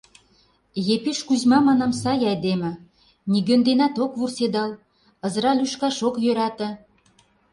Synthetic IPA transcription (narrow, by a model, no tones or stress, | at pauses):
jepiʃkuʑmɑmɑnɑmsɑjɑed̪emɘ̆ | niɡønd̪enɑt̪okβursed̪ɑl | ə̆zəɾɑlyʃkɑʃokjøɾɑt̪ə̆